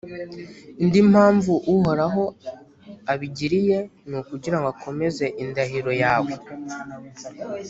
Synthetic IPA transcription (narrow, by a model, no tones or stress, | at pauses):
indimhaːɱvuʔuɦo̞ɾaɦo̞ | aβiɟiɾije̞nukuɟiɾaŋɡakʰo̞me̞ze̞ʔindaɦiɾo̞jaːwe̞